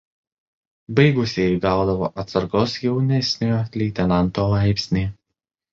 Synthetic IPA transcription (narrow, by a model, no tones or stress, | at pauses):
bɐɪɡʊsʲeːɡɑˑʊd̪ɐʋo̰ːʔɐt̪sɐɾɡoːsjɛʊnʲɛsʲnʲoolʲɛɪt̪ʲɛnɐnt̪oːlˠɐˑɪpʲsʲnʲeː